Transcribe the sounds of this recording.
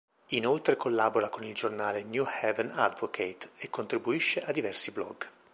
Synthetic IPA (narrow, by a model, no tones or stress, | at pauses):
inolt̪ɾekolːaboɾakonild͡ʒornaːlenjuhɛvɛna̰d̪vokʰet̪ekːont̪ɾibuiʃːeʔad̪ːivɛrsiblɔ̰ɡ